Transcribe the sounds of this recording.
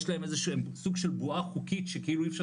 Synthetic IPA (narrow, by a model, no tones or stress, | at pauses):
ʃlahemezeʃuemsuɡʃelbuaχukitʃekeiluefʃa